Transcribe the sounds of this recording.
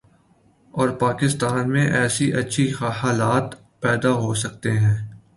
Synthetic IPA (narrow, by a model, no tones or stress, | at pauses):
ɔːɾpaːkɪst̪aːnmẽʔɛːsiʔɐtːʃʰixaːlaːt̪ | pɛːd̪aɦosɐk̚t̪eɦɛ̃ː